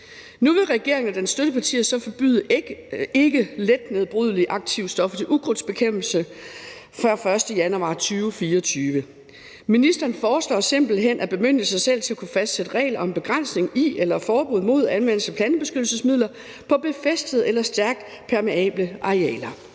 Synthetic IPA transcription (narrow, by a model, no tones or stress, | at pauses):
nuʋe̝ʁɛɡ̥e̝ɐ̰eŋən̩æd̥ensːd̥øɾ̥əpʰɑ̈t͡sʰḭːɐsɒ̽fɒb̥yðˠ | e̝ɡ̥əled̥ne̝ð̞̩ˠb̥ʁuðˠliʔɑ̈ɡ̥̚t͡sʰiʊsd̥ɒ̽fət͡sʰe̝lʔuɡ̥ʁod̥sb̥e̝kʰem̰b̥l̩sə | fɶɐ̰fɶɐsd̥əjænuɑ̰̈ːt͡sʰyːʊfiːɐɒt͡sʰyːʋə | minisd̥ɐːnfɒːslɒ̰ːse̝m̰b̥l̩ɦen̰ʔæb̥e̝møn̰d̥əsɑ̈ɪsel̰t͡sʰe̝lækʰufæsd̥sed̥əʁɛ̰ɪlɐʔɒ̽emb̥e̝ɡ̥ʁan̰sne̝ŋielɐfɒːb̥uð̰ˠmo̝ð̞̰ˠænʋen̰l̩sæpʰlænəb̥e̝sɡ̥ød̥l̩səsmið̰ˠlɐ | pʰɒ̽b̥e̝fesd̥əð̩ˠelɐsd̥æɐɡ̥̚d̥ | pʰæɐme̝ɛ̰ːb̥ləʔɑ̈ʁiɛ̰ːlɐ